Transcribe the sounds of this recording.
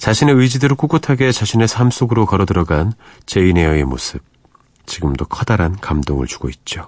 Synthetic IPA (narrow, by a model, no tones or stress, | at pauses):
t͡ɕaɕʰine̞ɯjd͡ʑidɯɾɯɭk͈uɡotʰaɡe̞t͡ɕaɕʰine̞sʰams͈oɡɯɾokʌɾʌdɯɾʌɡan | t͡ɕe̞ine̞jʌe̞mo̰sʰɯb̚ | t͡ɕiɡɯmdokʰʌdaɾankamdoŋɯ̰ɭt͡ɕu̥ɡoit̚t͡ɕ͈o